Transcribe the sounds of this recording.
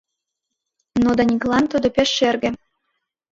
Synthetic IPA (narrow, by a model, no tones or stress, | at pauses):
nod̪ɑnʲiɡlˠɑnt̪ŏd̪ŏpʲeʃːerɡʲɘ̆